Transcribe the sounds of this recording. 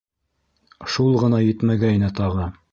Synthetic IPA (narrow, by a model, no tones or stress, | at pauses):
ʃulˠʁɤ̆nɑjɘ̆t̪mæɡæjnɘt̪ɑʁɤ